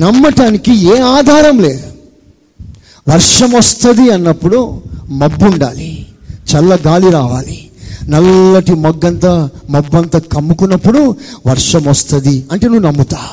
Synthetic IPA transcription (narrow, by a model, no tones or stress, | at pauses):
nɐmːɐʈaːnikieːaːd̪ʱaːɾɐmleːd̪u | ʋɐɾʂɐmɐst̪ɐd̪iɐnːɐpːuɽumɐbːuɳɖa̰ːlit͡ʃɛlːɐɡaːliɾaːʋaːli | nɐlːɐʈimɔɡːɐnt̪ɐmɐbːɐnt̪ɐkɐmːukunːɐpːuɽuʋɐɾʂɐmɐst̪ɐd̪iɐɳʈe̞ːnuːnɐmːut̪aː